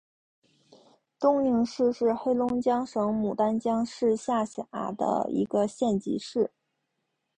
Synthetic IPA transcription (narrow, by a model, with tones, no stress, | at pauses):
t̪ʊ˥ŋy˥˧ŋʂɻ̩˥˧ʂɻ̩˥˧xe˥ɪlʊ˥ŋt͡ɕjɑ˥ŋʂɤ˧˥ŋmu˨˩t̪a˥nt͡ɕjɑ˥ŋʂɻ̩˥˧ɕja˥˩ɕɑ˨˩˥d̪ə̰˦ḭ˧˥ɡə˧ɕjɛ˥˩nt͡ɕḭ˧˥ʂɻ̩˥˩